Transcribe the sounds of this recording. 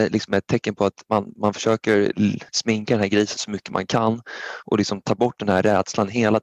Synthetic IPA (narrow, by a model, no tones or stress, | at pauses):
lɪksɔmɛt̪ʰːɛkːənpʰɔat̪manmanfœ̥ʂøːkəɾsmɪŋkad̪ɛnhæɾɡɾiːsənsɔmʏkːəma̰nkʰanːʔɔ̰lɪksɔmt̪ʰɑːbɔʈ̚ːd̪ɛnhæɾːɛːd̪̥slanɦeːla